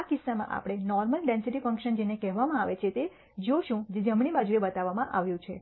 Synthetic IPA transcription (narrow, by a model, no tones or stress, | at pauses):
akɪsːamã̰ʔa̰pɽ̃enɔɾməlɖẽnsiʈifəŋkʃənd͡ʒenekɛɦʋamãaʋet͡ʃʰet̪e | d͡ʒoʃũd͡ʒed͡ʒəmɽ̃ibad͡ʒuebət̪aʋamãʔaʋjũt͡ʃʰe